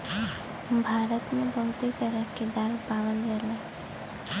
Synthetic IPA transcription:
bʱaːɾət̪mẽbʱəɦʊt̪it̪əɾəked̪aːɾpaːʋənd̪ele

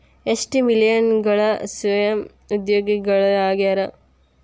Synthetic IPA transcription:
esʈimilijɐnɡɐɭɐsɐjɐm | ud̪joːɡiɡɐɭɐaːɡeɾɐ

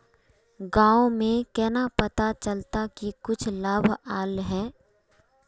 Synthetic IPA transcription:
ɡãːomẽkɛːnapɐt̪at͡ʃəlt̪akikʊt͡ʃʰlaːbʱaːlɦɛː

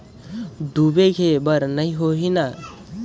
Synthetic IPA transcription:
d̪ubeɡʱebəɾnəĩɦoɦina

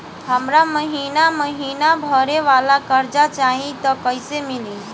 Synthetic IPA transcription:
həmɾaməɦinaməɦinabʱəɾeʋalakəɾd͡ʒat͡ʃaɦĩt̪ɔkəɪsemili

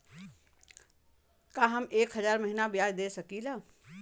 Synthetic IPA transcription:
kaɦɐmeːkɦəzaːɾməɦinabijaːd͡ʒd̪esɐkila

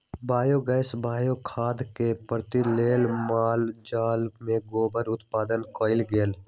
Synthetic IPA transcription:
bʱaːjoɡɛːɪsbʱaːjokʰaːd̪kepɾt̪ileːlmaːld͡ʒaːlmẽɡoːbəɾʊt̪paːd̪ənkoːɪlɡeːl

